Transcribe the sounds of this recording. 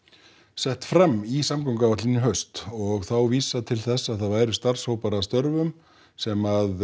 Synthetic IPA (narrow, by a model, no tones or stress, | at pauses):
sɛht̪fɾamːisamkawŋkavaht̪lɪnːɪɦœɥst̪ɔɣθawviːsat̪ʰɪlθɛsːaðθaðvaːjɾʏst̪ar̥shoːwpaɾast̪œɾvʏm | sɛmað